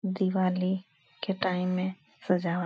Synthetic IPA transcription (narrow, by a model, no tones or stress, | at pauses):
d̪iʋaːli | keʈaːɪmːẽ | sɐd͡ʒaː